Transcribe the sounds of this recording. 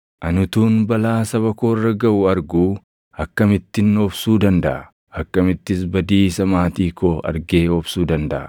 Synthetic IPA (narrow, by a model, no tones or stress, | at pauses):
ʔɐnʊt̪uːnbɐlaːsɐβɐkoːrːɐɡɐʔʊɐɾɡuː | ɐkːɐmɪt̪ːɪnːɔbsuːd̪ɐnd̪ɐʔɐ | ɐkːɐmɪt̪ːɪs̬bɐd̪iːsɐmaːt̪iːkoːɐ̰ɾɡe̞ːɔbsuːd̪ɐnd̪ɐʔɐ̰